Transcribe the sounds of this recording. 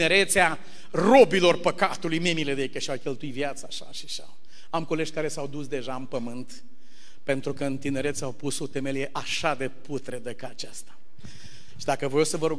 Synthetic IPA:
ne̞ɾet̪sea | ro̞bilo̞rpəkat̪ulujmemiled̪eejkəʃiawkʲe̞lt̪uit̪vjat̪saːʃa̰ʃiʃa̰w | amko̞led͡ʒʲkaɾe̞sawd̪usd̪e̞ʒaɨnpəmɨnt̪ | pe̞nt̪ɾukəɨnt̪ine̞ɾet̪sʲawpuso̞t̪emelijeʔaʃad̪e̞put̪ɾed̪əkaːt͡ʃast̪ḁ | ʃid̪akəvo̞jewsəvəɾuɡ

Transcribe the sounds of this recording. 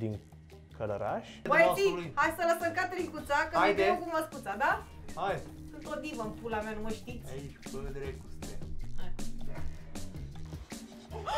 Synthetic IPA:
d̪iŋ | kʰələɾa̰ʃ | ojest̪ilujhajsələsəŋkat̪ɾikut̪sakəaed̪eokuməskut̪sad̪aajɨnt̪od̪ivəmpulameanuməʃt̪iit͡ʃəved̪eɾekust̪eaj

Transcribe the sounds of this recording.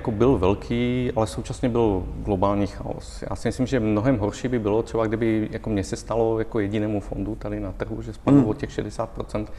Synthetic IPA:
jakobɪlvɛlkʰiːʔalɛsowt͡ʃasɲɛbɪlɡlobaːlɲiːxa̰o̰sja̰ːsimɪslimʒɛmnoɦɛmɦɔrʃiːbɪbɪlot̪r̥ɛbaɡdɪbɪjakomɲɛsɛst̪alojakojɛɟinɛːmufond̪ut̪adɪnat̪r̩ɦuʒɛspaduːocɛxʃɛdɛsaːt̪̚pɾot͡sɛnt̪

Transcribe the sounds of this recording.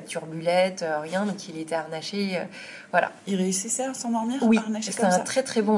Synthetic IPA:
t̪yʁbylɛt̪øʁjɛ̃d̪ɔ̃kilet̪ɛaʁnaʃeø | vwala̰ilʁeysisasɑ̃d̪ɔʁmiʁwiʁnaʃsɛɛ̃t̪χɛt̪χɛbɔ̃

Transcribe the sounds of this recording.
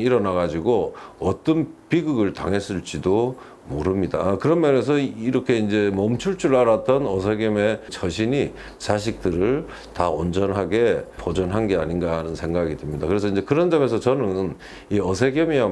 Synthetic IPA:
iɾʌnaɡad͡ʑiɡoʌt͈ʌnpiɡɯɡɯɭta̰ŋɦe̞s͈ɯɭt͡ɕ͈ido | moɾɯmɲida̰kɯɾʌnmane̞sʰʌiɾʌkʰe̞ind͡ʑe̞mʌmt͡ɕʰuɭt͡ɕʰuɾaɾat͈ʌnʌs̬ʰeɡeme̞t͡ɕʰʌɕʰiɲi | t͡ɕaɕʰik̚t͈ɯɾɯɭ | taond͡ʑʌnɦaɡe̞pod͡ʑʌnɦanɡe̞a̰ɲinɡanɯnsʰe̞ŋɡaɡidɯmɲida̰kɯɾe̞s̬ʰʌind͡ʑe̞kɯɾʌnd͡ʑame̞s̬ʰʌt͡ɕʌnɯn | iʌsʰe̞ɡemia

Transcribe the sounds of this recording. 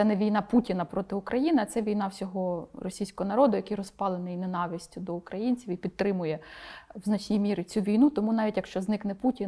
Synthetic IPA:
sɛnɛʋʲijnɑputʲinɐpɾɔt̪ɪʊkɾʔɐjinɪɐt̪sɛʋʲijn̪ɑwsʲɔɦɔrɔsʲijsʲkɔɦɔnɐɾɔd̪ʊjɐkɪjɾɔspɑlˠenɪjnenɑʋʲisʲtʲʊd̪ɔʊkɾɐjinʲt͡sʲiwipʲid̪t̪ːɾɪmʊjɛwznɐt͡ʃnʲimʲiɾɪt͡sʲuʋʲijnut̪ɔmunɑʋʲitʲjɐkʃt͡ʃɔznɪknɛputʲi

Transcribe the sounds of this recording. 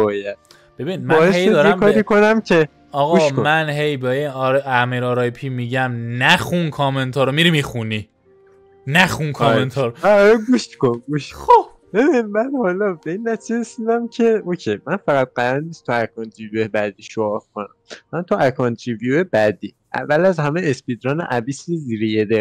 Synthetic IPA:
bɒːjæd̪ | b̥ebinid̪mæːjehejed̪ɒːɾemkʰɒːɾiːkʰonæmcʰe̞ | ɒːɣɒʃomænɦejbɒeɾæmiːɾɒɾɒːjpʰiːmiɟæmnæxunkʰɒment̪ʰɒːɾomiɾimixuni | næxunkʰɒment̪ʰɒːɾoɾɡuʃkonɡuʃxob̚ | bebimænhɒlɒbeiːnːæt̪ʰizeɾesid̪æmcʰe̞ocʰemænfæɣæt̪̚ɢæɾænnːiːst̪ʰuækʰɒnt̪ʰɾivjuebæd̪iːʃoɒɾkʰonæ̰mːænt̪ʰuʔækʰɒːnt̪ʰɾivijuebæd̪iːʔæ̰vːælæzhæmeespid̪ɾɒːnḛʔæbisiziːɾejed̪e

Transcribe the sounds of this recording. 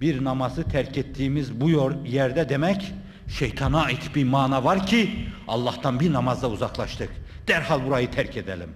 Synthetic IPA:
b̥iɾnɑmɑzɯt̪ʰæɾcʰet̪ʰːiːmizbujɾjæɾd̪ɛd̪emɛc | ʃe̞jt̪ʰɑnaːit̪ʰbiɾmaːnavɑɾcʰiɑ̰lˠːɑht̪ɑnbiɾnɑmɑzd̪auzɑklˠɑʃt̪ʰɯk | d̪̥æɾhɑlˠbuɾajɯt̪ʰæɾcʰed̪æ̰lʲḭm

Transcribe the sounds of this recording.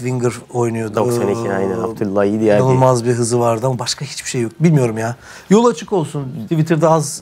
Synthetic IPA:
viŋɡɯɾo̞jnujo̞d̪oksaneiajnɛat̪ʰulˠːaid̪iaanɯlˠmazbiɦɯzɯvaɾd̪ɯamabaʃkʰahi̥t͡ʃb̥iʃe̞jːo̞k̚bilʲmijo̞ɾumjaː | jo̞lˠat͡ʃʰɯko̞lˠsunt̪ʰivit̪ʰɯɾd̪ɛaz

